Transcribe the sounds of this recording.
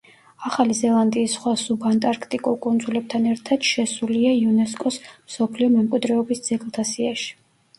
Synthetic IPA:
aχalizɛlˠand̪iːsːχwasubant̪ʼaɾkʰt̪ʼikʼulˠkʼund̪zulɛb̚t̪ʰanɛɾt̪ʰad̪̥ʃɛsuliaiunɛskʼɔsmsɔpʰliɔmɛmkʼwid̪ɾɛɔbisd̪z̥ɛkʼlˠt̪ʰasiaʃi̥

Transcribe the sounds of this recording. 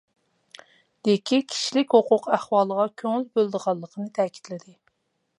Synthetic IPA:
d̪̥ekʲʰikʲʰi̥ʃilɪkʲhoqʰʊqæχwɑːlˠəʁɑkʲʰøŋylbølˠd̪əʁɑlˠːəqʰənɨt̪ʰɛːkʲʰi̥t̪lɪd̪ɪ

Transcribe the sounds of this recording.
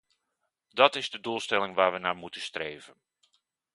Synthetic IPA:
dɔtɪzdədulˠstɛlɪŋʋaːɹʋənaːmutəstreːvən

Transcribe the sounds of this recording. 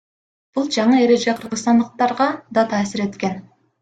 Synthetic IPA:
b̥ʊlˠʒɑɴɑe̞ɾe̞ʒe̞qʰəɾʁəzt̪ɑnd̪əq̚t̪ɑɾʁɑd̪ɑt̪ʰæːsɪɾe̞t̪kʲe̞n

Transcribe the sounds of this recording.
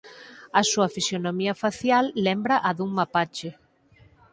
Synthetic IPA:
ɐsuɐfisjonomiɐfaθjalːɛmbɾɐʔɐðuŋmapat͡ʃɪ

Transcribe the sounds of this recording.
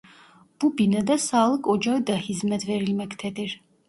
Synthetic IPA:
b̥ubinəd̪asaːlˠəkʼɔd͡ʒavid̪ahizmɛd̪vɛɾilmɛkʰt̪ʰɛt̪ʼiɾ

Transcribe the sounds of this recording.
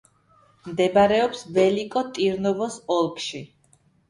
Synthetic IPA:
md̪ɛbaɾɛɔpsbɛlikʼɔt̪ʼiɾnɔvɔsɔlˠkʼʃi

